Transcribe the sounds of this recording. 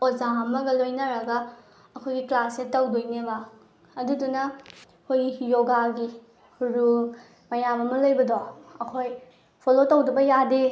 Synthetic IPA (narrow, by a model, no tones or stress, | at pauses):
ozaɐmɐɡɐlojnɐɾɐɡɐ | ɐkʰojɡiklasetɐwdojnebaː | dudunɐ | kʰojijoɡaɡi | ɾul | mɐjamɐmɐlojbɐdɔɐkʰoj | pʰolotɐwdɐbɐjade